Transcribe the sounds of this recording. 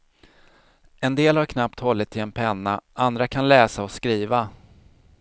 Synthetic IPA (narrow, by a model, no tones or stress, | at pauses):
ɛnd̪eːlhaɾkʰnap̚t̪hɔlːɪt̪ʰːɪlɛnpʰɛnːaʔand̪ɾakʰanlɛːsaɔskɾiːva